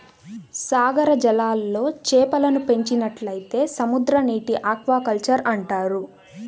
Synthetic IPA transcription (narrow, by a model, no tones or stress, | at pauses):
saːɡɐɾɐd͡ʒɐlaːlːo̞ːt͡ʃɛːpɐlɐnupe̞ɲt͡ʃinɐʈlɐjit̪e̞ːsɐmud̪ɾɐniːʈiʔaːkʋaːkɐlt͡ʃɐɾɐɳʈaːɾu